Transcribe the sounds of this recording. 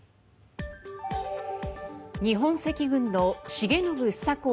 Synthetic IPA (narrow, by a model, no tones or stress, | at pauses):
ɲ̟iɦõ̞ɰ̃se̞kʲiɡɯ̟̃nːo̞ɕiɡe̞nobɯ̟̥sako